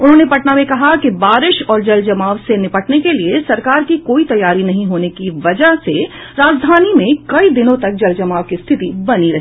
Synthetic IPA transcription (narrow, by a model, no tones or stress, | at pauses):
ʊnɦõːnepɐʈnamẽkɐɦakibaːɾɪʃɔːɾd͡ʒɐld͡ʒɐmaːʋsenɪpəʈnekeliesɐɾkaːɾkikoːit̪ɐjːaːɾinɐɦĩɦoːnekiʋɐd͡ʒəɦse | ɾaːd͡ʒd̪ʱaːnimẽkɐid̪ɪnõt̪ɐk̚d͡ʒɐld͡ʒɐmaːʋkist̪ʰɪt̪ibɐniɾɐɦ